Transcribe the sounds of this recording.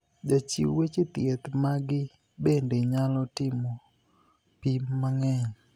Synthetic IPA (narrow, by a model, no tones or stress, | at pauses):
d͡ʒat͡ʃḭwet͡ʃet̪ɪet̪maɡɪ | bendeɲalɔtɪmɔ | pimːaŋɛɲ